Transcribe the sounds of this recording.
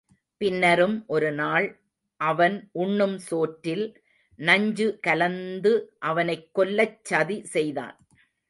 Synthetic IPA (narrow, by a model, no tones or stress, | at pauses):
pɪnːɐɾɯmʔɔɾɯnaːɭ | ʔɐʋɐnʔʊɳːɯmsoːʈːɪl | nɐɲd͡ʒɯkɐlɐnd̪ɯʔɐʋɐnɐɪkːɔlːɐt͡ʃːɐðisɛjða̰ːn